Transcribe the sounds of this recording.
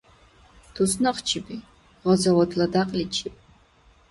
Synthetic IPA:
t̪ʰusnɐχt͡ʃʰibi | ʁɔzɐwɔt̪ʰlɐd̪aqʼlit͡ʃʰip̚ʼ

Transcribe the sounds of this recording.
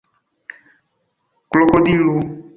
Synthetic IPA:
klɔkɔdilo

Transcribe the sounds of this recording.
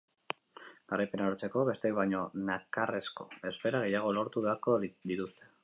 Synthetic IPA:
ɡ̥aɾajpe̞naoɾt͡se̞ko̞βe̞st̪ekβajɲo̞nakare̞sko̞e̞sfe̞ɾaɣ̞e̞jaɣ̞o̞lo̞ɾt̪uβeaɾko̞d̪it̪ust̪e̞

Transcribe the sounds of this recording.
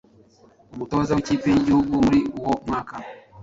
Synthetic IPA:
umutɔzaut͡ʃipiɲd͡ʒuɓuɾiuwɔmwaka

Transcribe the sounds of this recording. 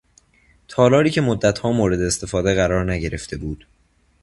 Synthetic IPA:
t̪ʰɒːlɒːɾiːcʰe̞mod̪ːæt̪ʰhɒːmoːɾe̞d̪eːst̪e̞fɒːd̪e̞ɣæɾɒːɾnæɟe̞ɾe̞ft̪e̞buːd̪̥

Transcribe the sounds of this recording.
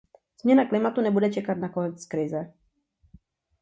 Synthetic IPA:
z̥mɲɛnaklɪmat̪unɛbudɛt͡ʃɛkat̪nakonɛt͡skɾɪzɛ

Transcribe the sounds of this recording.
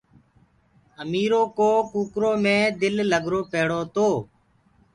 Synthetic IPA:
əmiːɾoːkoːkuːkɾoːmẽːd̪ɪlːəɡɾoːpeːɽoːt̪oː

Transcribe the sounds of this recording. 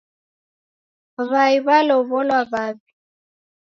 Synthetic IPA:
βaiβalɔβɔlwaβabi̥

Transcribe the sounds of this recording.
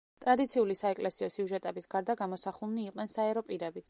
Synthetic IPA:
t̪ʼɾad̪it̪sʰiulisaɛkʼlɛsiɔsiuʒɛt̪ʼɛbisɡaɾd̪aɡamɔsaχulˠniːqʼnɛnsaɛɾɔpʼiɾɛbit̪sʰ

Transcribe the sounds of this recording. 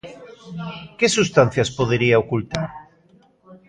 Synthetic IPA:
kesust̪an̟θjaspoðeɾiaokult̪aɾ

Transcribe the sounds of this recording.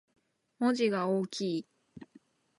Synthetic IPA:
moʑiɡaoːkʲʰiː

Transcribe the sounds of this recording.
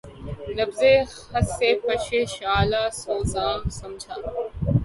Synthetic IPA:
nɐbze | hɐseːpɐʃeʃaːlaːsoːzaːmsɐmd͡ʒʱaː

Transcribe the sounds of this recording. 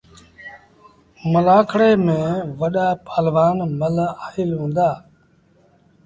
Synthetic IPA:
məlaːkʰɽeːmẽːʋəɗaːpaːlʋaːnməlaːhɪlɦũːnd̪aː

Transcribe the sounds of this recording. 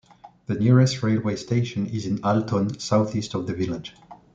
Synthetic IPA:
ðɨniɹɛstɹeɪlˠweɪstʰeɪʃə̃nɪzɪ̃naltʰɔ̃nsaʊθistɔvðəvɪlɪ̥d͡ʒ̥

